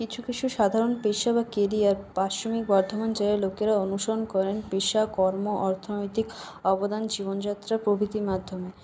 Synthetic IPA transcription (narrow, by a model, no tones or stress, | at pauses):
kit͡ɕʰukit͡ɕʰuʃad̪ʱaɾonpeʃabakeɾiaɾpaʃomik̚bɔɾd̪ʱomant͡ɕeelokeɾaonuʃoɾonkɔɾenpeʃakɔɾmoʔɔɾt̪ʰonojt̪ik | ɔbod̪and͡ʑiβond͡ʑat̪ːɾapɾobʱit̪imad̪ʱːome